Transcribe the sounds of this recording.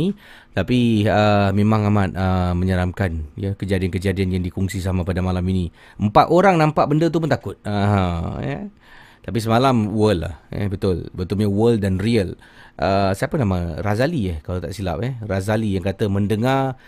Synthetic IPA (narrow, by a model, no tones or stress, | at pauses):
i | t̪apiəmemãŋamat̪̚əməɲəɾamkanjəkəd͡ʒadiankəd͡ʒadianjaŋdikuŋsis̬amãpadamalamini | əmpat̪oɾaŋnãmpaʔ̚bəndət̪̬umʊnt̪akʊt̪̚ːɦə̰̃ | t̪apis̬əmalamwəlːa̰hɛ̰bət̪ʊlbət̪ʊlɲawəldanriəl | ʔəsiapənãmaŋrazaliəhkalawt̪a̰ʔsila̰p̚ɛrazalijaŋkat̪əməndəŋar